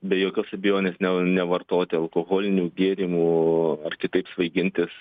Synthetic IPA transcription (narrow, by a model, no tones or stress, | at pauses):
bʲɛjoːkʲoːsɐbʲɪjoːnʲeːsnʲɛnʲɛʋɐrt̪oːt̪ʲɪɐlˠkoːɣoːlʲɪnʲuːɡʲeːɾʲimuːɐrkʲɪt̪ɐɪpsʋɐɪɡʲɪnʲt̪ʲɪs